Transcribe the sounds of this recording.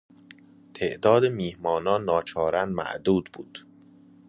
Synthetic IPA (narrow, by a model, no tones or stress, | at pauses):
t̪ʰeʔd̪ɒːd̪emiːhmɒːnɒːnːɒːt͡ʃʰɒːɾænmæ̰ʔd̪uːd̪buːd̪̥